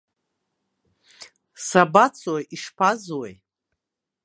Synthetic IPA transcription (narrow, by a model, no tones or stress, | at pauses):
sabat͡sʰwojʔiʂpʰazwej